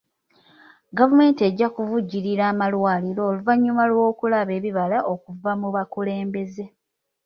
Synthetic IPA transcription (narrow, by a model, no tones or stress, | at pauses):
ɡavume̞ːntie̞ɟːakuvuɟːiɾiɾaːmalwaːliɾo̞ːluvaɲːumalwo̞ːkulaβe̞ːβiβalaʔo̞kuvamuβakule̞ːmbe̞ze̞